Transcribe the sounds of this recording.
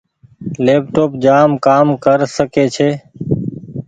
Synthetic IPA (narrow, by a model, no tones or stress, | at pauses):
leːp̚ʈoːpd͡ʒaːmkaːmkəɾsəkeːt͡ʃʰeː